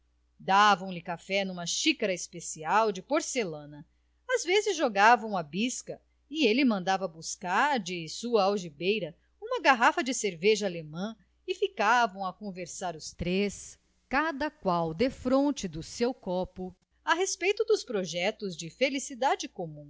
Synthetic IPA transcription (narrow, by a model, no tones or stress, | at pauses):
d̪avɐ̃w̃lɪkafɛnũmɐʃikaɾɐɪspesiawd͡ʒɪpoɾselɐ̃nɐ | azvezɪzʒoɡavɐ̃w̃ɐbiskɐ | ɪelɪmɐ̃nd̪avɐbuskaɾd͡ʒɪsuɐawʒibejɾɐ | ũmɐɡaɦafɐd͡ʒɪseɾveʒɐalemɐ̃ | ɪfikavɐ̃w̃ɐkõveɾsaɾʊst̪ɾes | kad̪ɐkwawd̪efɾõnt͡ʃɪd̪ʊsewkɔpʊ | ɐɦespejt̪ʊd̪ʊspɾoʒɛt̪ʊzd͡ʒɪfelisid̪ad͡ʒɪkomũ